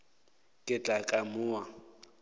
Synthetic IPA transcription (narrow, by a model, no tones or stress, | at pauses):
kʼɪt͡ɬʼakʼamʊːwa